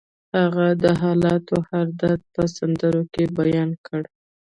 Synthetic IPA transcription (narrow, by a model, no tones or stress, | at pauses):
haɣad̪əɦɑlɑt̪ohaɾd̪at̪̚pəsand̪əɾokebajɑnkəɽ